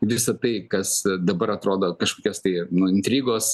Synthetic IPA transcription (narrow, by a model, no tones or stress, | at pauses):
ʋʲɪsɐt̪ɐɪkɐsd̪ɐbɐɾɐt̪ɾoːd̪oːkɐʃkoːkʲoːst̪ɐɪnʊɪnʲt̪ʲɾʲiːɡoːs